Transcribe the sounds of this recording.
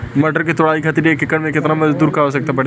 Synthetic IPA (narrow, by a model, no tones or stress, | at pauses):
mɐʈəɾket̪ʊɽaːikʰɐt̪ɾiekɪkəɽmẽkɪt̪namɐd͡ʒd̪uːɾkaɦosɐk̚t̪apɐɽe